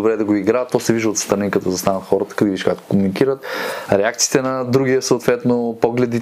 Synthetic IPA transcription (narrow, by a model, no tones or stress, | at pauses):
obɾɛd̪ɐɡoiɡɾat̪ːɔsɛviʒəot̪st̪ɾɐnikɐt̪ɔzɐst̪anət̪xɔɾət̪ə̥kɐd̪ɛviʃkakt̪o̥komunikiɾət̪ɾɛakt̪si̥t̪ɛnɐd̪ɾuɡʲiəsoot̪vɛt̪nopɔɡlɛd̪i